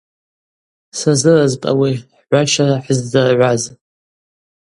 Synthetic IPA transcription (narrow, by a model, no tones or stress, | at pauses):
sazɨrazpʼa̰wiħʕʷaʃaraħəzdɨrʕʷaz